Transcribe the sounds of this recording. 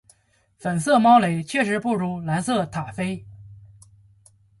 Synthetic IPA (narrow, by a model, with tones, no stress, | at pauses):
fə˨˩nsɤ˥˩mɑ˥ʊle˨˩ɪt͡ɕʰɥɛ˥˩ʂɻ̩˧˥pu˥˩ɻu˧˥la˧˥nsɤ˥˩t̪ʰa˨˩fe˥ɪ